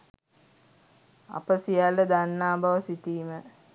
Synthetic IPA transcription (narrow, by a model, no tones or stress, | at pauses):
a̰pəsijalːəd̪anːaːbaʋəsit̪iːmə